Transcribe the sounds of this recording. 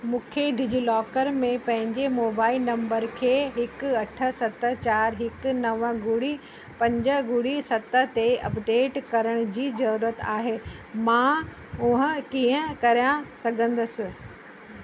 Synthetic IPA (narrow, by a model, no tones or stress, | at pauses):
mũːkʰeɖʱɪd͡ʑʊlɔːkəɾmẽpɐ̃ɦɪ̃ɲd͡ʑemoːbaːɪlnɐ̃mbəɾkʰeːɦɪkʊɐʈʰə̆sɐt̪ə̆t͡ɕaːɾɦɪkʊnɐʋə̆ɡʊɽi | pɐ̃ɲd͡ʑə̆ɡʊɽisɐt̪ə̆t̪eɐ̰pɖeːʈkɐɾəɽ̃ʊd͡ʑiːzɐɾuːɾət̪aːɦeːmãː | ʊɦə̃kĩːə̃kɐɾijãsɐɡʱə̃nd̪əsɪ̆